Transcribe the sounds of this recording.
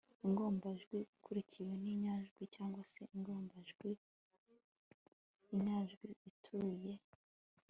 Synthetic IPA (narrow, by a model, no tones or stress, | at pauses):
iŋɡo̞ːmbaʒɡwiikʰuɾiciwe̞niɲaʒɡwicaːŋɡwase̞ʔiŋɡo̞ːmbaʒɡwi | iɲaʒɡwiitʰuɾuje̞